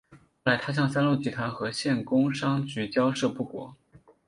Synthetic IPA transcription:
wla˨˧˥ɪt̪ʰa˥ɕjɑ˥˩ŋsa˥nlu˥˩t͡ɕi˧˥t̪ʰwa˧˥nxɤ˧˥ɕjɛ˥˩nkʊ˥ŋʂɑ˥ŋt͡ɕy˧˥t͡ɕjɑ˥ʊʂɤ˥˧pu˥˩kwɔ̰˨˩˦

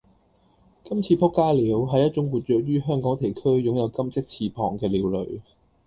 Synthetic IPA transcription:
kɐ˥mt͡sʰiː˧pʰʊ˥kːaː˥liː˨˥wɦɐ˨˧jːɐ˥t̚t͡ʃʊ˨˥ŋwuː˨˧t̚jœː˨˥k̚ɥyː˥ɦœː˥ŋkɔː˨˥ŋt̪ʰe˨˩jkʰɵ˥ɥjʊ˨˥ŋjɐ˨˧wkɐ˥mt͡sɪ˥k̚t͡sʰiː˧pʰɔː˨ŋkɛː˧liː˨˧wlɵ̰˨˩ɥ

